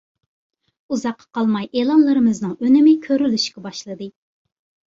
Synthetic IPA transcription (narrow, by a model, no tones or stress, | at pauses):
uzɑqʰːɑ̥qʰɑlˠmɑjʔeːlˠɑnlˠɨɾɨmɨznɨŋønɪmɪkʲʰøɾylyʃkʲɛbɑʃlˠɨd̪ɨ